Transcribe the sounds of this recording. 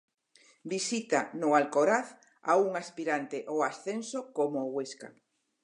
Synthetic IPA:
bisit̪anʊalkoɾaθ | auŋaspiɾant̪eʔoasθensokomoːɣweska̰

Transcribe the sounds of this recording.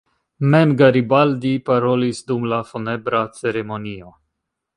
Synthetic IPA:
memɡaɾibald̪ipaɾo̞lisd̪umlafone̞bɾat͡se̞ɾe̞mo̞nio̞

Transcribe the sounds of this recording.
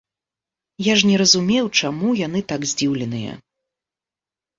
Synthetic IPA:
jaʐnʲɛɾɐzumʲewt͡ʂamujanɨt̪aɡzʲd͡zʲiwlʲɛn̪ɨjɐ̰

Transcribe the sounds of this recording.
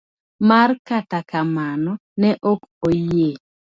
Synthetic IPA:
markatakamanɔnɛʔokoje

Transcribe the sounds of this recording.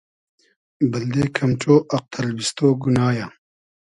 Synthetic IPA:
bɐld̪eːkʰɐmt͡ɕoːʔɐq̚t̪ʰɐlbist̪oːɡunaːja

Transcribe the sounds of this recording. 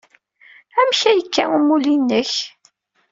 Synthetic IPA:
æmçæjəkːæumulinːəç

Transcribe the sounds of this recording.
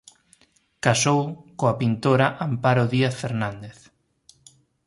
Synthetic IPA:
kasowkoapint̪oɾaʔampaɾoðiaθfeɾnãnd̪eθ

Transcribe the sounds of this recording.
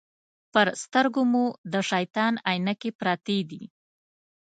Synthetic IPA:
pəɾst̪əɾɡomud̪əʃajt̪ɑnajnakepɾɑt̪ed̪i

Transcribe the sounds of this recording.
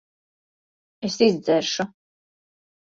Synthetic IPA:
ɛsizzɛɾʃʊ

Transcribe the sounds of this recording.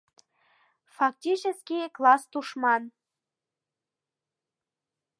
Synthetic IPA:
fɑk̚tʲit͡ɕəskʲiklɑst̪uʃmɑn

